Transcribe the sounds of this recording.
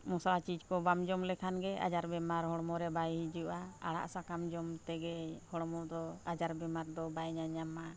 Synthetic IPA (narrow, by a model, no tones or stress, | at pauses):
mɔsaat͡ʃid͡ʒkɔbamd͡ʒɔmlɛkʰanɡɛa̰d͡ʒaɾbɛmaɾɦɔɽmɔɾɛbajɦid͡ʒuʔaa̰ɽa̰ʔsakamd͡ʒɔmt̪ɛɡɛhɔɽmɔd̪ɔad͡ʒaɾbɛmaɾd̪ɔbajɲaɲama